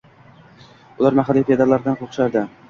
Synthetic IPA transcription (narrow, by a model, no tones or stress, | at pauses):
ʊlˠaɾmaɦalːipʲʰed̪aɾlaɾd̪anqʰoχʃaɾd̪ɪ